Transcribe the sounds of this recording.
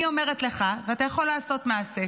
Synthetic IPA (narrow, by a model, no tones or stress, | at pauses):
io̞me̞ʁet̪le̞χaveatajaχo̞lːaːso̞tmaːse